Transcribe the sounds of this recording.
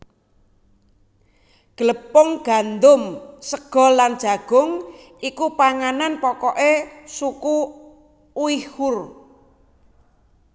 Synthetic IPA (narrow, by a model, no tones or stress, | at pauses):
ɡ̥ələpɔŋɡ̥a̤nd̪ʊmsəɡ̥ɔ̤land̥ʒ̥a̤ɡ̥ʊ̤ŋ | ikupaŋananpɔkɔʔesuku | uihʊr